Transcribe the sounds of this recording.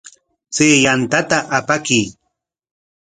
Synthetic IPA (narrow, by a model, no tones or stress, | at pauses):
t͡seːjant̪at̪aʔapakiː